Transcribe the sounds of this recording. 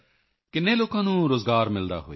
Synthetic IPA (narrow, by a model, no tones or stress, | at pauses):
kɪnːeːloːkãːnũːɾoːzɡaːɾmɪld̪a̰ːɦoːiː